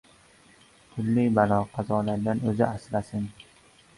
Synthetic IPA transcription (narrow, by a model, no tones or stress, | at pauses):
t̪ʰʊlːɪjbalɒqʰɑzɒlaɾd̪anɵzɪʔaslasɪn